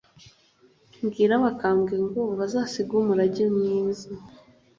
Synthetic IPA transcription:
mɡiːɾaβakaːmɡiŋɡo̞βazaːsiɡumuɾaɟimɲiːza

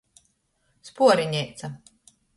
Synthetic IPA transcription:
spuɔɾiɲɛjt̪sa

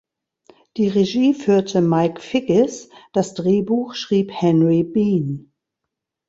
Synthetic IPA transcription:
d̥iːʁeʒiːfyːɐtʰəmaɪkfɪɡɪsd̥asd̥ʁeːbuːxʃʁ̥iːphɛnʁibiːn

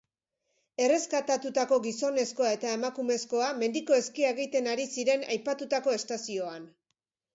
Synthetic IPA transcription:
e̞re̞skat̪at̪ut̪ako̞ɣiso̞ne̞sko̞ae̞t̪ae̞makume̞sko̞ame̞nd̪iko̞e̞skiaeɣit̪e̞naɾisiɾe̞na̰jpat̪ut̪ako̞e̞st̪asio̞an

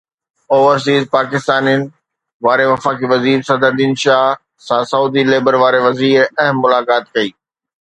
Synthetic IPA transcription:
oːʋəɾs̬iːzpaːkɪst̪aːnijənɪ̆ | ʋaːɾeʋɐfaːkiʋɐziːɾsɐd̪ʱəɾd̪iːnʃaːɦ | sãsɐuːd̪ʱileːbəɾʋaːɾeʋɐziːɾɐɦmːʊlaːkaːt̪kɐiː

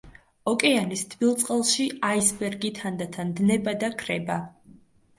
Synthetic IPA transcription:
ɔkʼɛanist̪ʰbilˠt̪sʼqʼɛlˠʃiaisbɛɾɡit̪ʰand̪at̪ʰand̪nɛbad̪akʰɾɛba

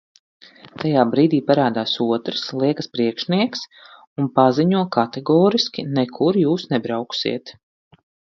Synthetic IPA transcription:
t̪ajaːbɾiːd̪iːpaɾaːd̪aːsuɔt̪ɾslˠiɛkəspɾiɛkʃniɛks | unpaziɲuɔkat̪ɛɡɔːɾiskʲinɛkʰuɾjuːsnɛbɾawksḭɛt̪

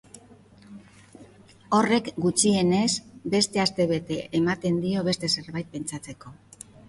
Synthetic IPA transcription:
o̞re̞kɡut͡ʃie̞ne̞sbe̞st̪e̞ast̪e̞βe̞t̪e̞ʔːmat̪e̞nd̪io̞βe̞st̪e̞se̞ɾβajt̪̚pe̞nt͡ʃat͡se̞ko̞

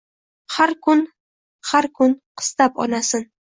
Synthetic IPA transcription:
haɾkʰʊn | haɾkʰʊnqʰɨ̥st̪apɒ̰nasɪn

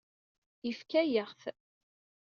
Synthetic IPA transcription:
ifkæjəʁθ

